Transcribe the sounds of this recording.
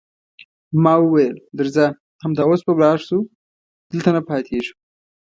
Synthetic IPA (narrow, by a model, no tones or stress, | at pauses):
mɑwəwajld̪əɾza | hamd̪ɑospəwlɑʂsu | d̪̥əlt̪anapɑːt̪ʰeʐu̥